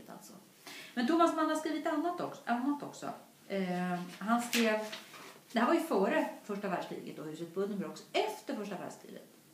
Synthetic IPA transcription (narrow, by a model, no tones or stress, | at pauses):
t̪a̰lt̪sɔ̰ | mɛnt̪ʊmːasmand̪askɾiːvɪt̪anːat̪ɔkanːat̪ɔksɔ̰ | ɦanskɾeːvd̪̥ɛhæːɾvaɾjɵfœːɾəfœʂʈavæːɖʂkʰḭːɡət̪̚d̪ɔhʉ̟ːsət̪̚bɵnd̪ənbɾoːksɛft̪əɾfœʂʈavæ̰ɖʂkʰɾḭːd̪ə̰t̪